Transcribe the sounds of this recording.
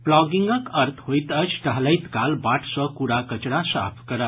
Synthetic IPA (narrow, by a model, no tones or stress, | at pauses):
plɔɡiŋɡəkəɾt̪ʰɦojt̪ət͡ʃʰʈəɦləjt̪kalbaʈʰsə̃kuɾakət͡ʃɽasa̰pʰkəɾə